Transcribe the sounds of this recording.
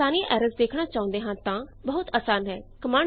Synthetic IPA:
aːniʔɛːɾəsd̪eːkʰɽ̃aːt͡ʃaːʊ̃nd̪eːɦãːt̪ãːbəɦʊt̪əːsaːnɦɛːkəmaːɳ

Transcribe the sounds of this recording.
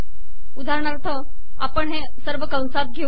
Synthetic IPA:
ud̪ʱaɾəɳaɾt̪ʰə | apəɳɦe | səɾʋəkə̃w̃sat̪̚ɡʱe

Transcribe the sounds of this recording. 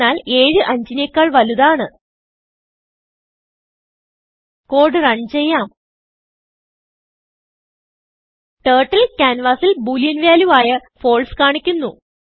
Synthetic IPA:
aːle̞ːɻɨʔɐɲd͡ʑinekːaːɭʋɐluðaːɳɨ | ko̞ːɖɨrɐɳt͡ɕe̞jːaːm | ʈeːʈːɐlkʲaːnʋaːsilbuːljɐnʋjaːluʋaːjɐfo̞ːɭskaːɳikʲːunːu

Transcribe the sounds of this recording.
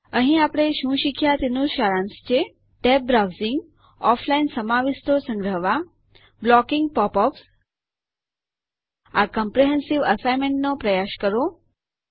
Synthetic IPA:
əɦĩapɽ̃eʃũʃikʰjat̪enuʃaɾãnst͡ʃʰe | ʈɛp̚bɾawzɪŋɡ | ɔflainsəmaʋist̪ʰosə̃ŋɡɾəɦʋa | blɔkɪŋɡ̚pɔpɔps | akəmpɾeɦɛnsiʋəsajmeɳʈnopɾəjaʃkəɾo

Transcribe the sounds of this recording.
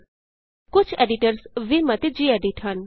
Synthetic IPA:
kʊt͡ʃʰeːɖiʈəɾsʋimət̪ed͡ʒieːɖiʈʰɦən

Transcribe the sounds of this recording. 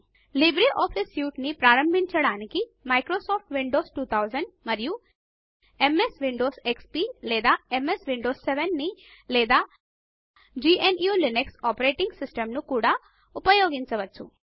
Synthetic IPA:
libɾiʔɔːpʰisjuːʈnipɾaːɾɐmbʱiɲt͡ʃɐɽaːnikimɐjkɾoːsaːp̚ʰʈʋiɳɖoːsʈuːt̪ʰɐwd͡ʒɐɳɖmɐɾiju | emesʋiɳɖoːsekspiːlɛːd̪aːemesʋiɳɖoːsːeʋenːi | lɛːd̪aː | d͡ʒiːʔenjuːlineksaːpɐɾeːʈiŋɡsisʈɐmnukuːɽaː | upɐjoːɡiɲt͡ʃɐʋɐt͡ʃːṵ

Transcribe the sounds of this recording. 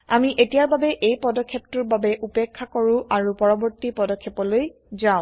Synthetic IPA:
amiʔetijaɹbabɛʔejpɔdɔkʰːeptuɹbabɛʔupekʰːakɔɹũʔaɹupɔɹɔbɔɹtipɔdɔkʰːepɔloj | zaʊ̃

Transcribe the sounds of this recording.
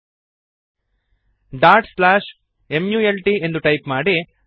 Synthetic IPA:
ɖaːɾʈslaːʃ | e̞mjuːelʈie̞nd̪uʈɐjpmaːɽi

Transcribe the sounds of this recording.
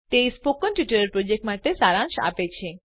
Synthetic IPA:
t̪eispokːɔnpjuʈəɾəɾpɾod͡ʒek̚ʈmat̪esaɾãŋʃa̰pet͡ɕʰe

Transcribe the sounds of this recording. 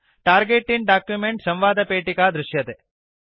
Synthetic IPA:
ʈaːɾɡeːʈːinɖaːkjumeɳʈsɐ̃mʋaːd̪ʱɐpeːʈikaːd̪ɾuʃjɐt̪e

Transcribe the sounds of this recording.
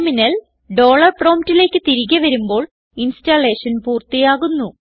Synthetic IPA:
minɐl | ɖo̞ːɭɐrpro̞ːmtːile̞ːkːɨt̪iɾiɣʲɐʋɐɾumbo̞ːɭ | instale̞ːʂɐnpuːrt̪ijaːɣunːu

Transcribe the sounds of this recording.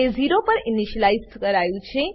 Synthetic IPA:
eziɾopəɾɪniʃəlaizkəɾajũt͡ʃʰe

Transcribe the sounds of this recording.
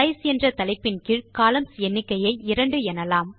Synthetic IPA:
ɐɪsɛndrɐt̪ɐlɐɪpːɪnkɪɻkaːlɐmsɛnːɪkːɐjɐɪɪɾɐɳɖɯɛnɐlaːm

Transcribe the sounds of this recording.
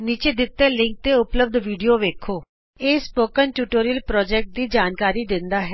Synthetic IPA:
niːt͡ʃeːd̪ɪt̪ːeːlɪ̃ŋk̚t̪eːʊpləb̚d̪ʋiːɖijoːʋeːkʰoː | eːspoːkənʈjuːʈoːɾijəlpɾɔːd͡ʒɛːk̚ʈ̚d̪iːd͡ʒaːnkaːɾiːd̪ɪnd̪aːɦɛː

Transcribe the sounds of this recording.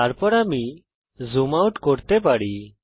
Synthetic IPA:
aɾpɔɾamiː | zumawʈkɔɽt̪epaɽi

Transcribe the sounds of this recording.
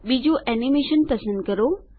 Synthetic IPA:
ɓid͡ʑoʔɛːnimeːʃənpɐsə̃nd̪̚kɐɾo

